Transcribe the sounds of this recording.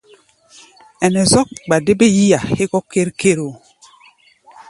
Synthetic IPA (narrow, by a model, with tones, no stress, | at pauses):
ɛ˨nɛ˨zɔ˦k̚ba˨de˦be˦ji˦ja˨e˦kɔ˦ke˦ɾkʰe˦ɾo˨